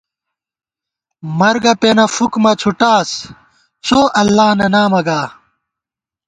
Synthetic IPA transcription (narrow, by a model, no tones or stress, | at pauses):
mɐɾɡɐpeːnɐfukmɐt͡ɕʰuʈaːs | t͡ɕʰoːʔɐlːaːnɐnaːmɐɡaː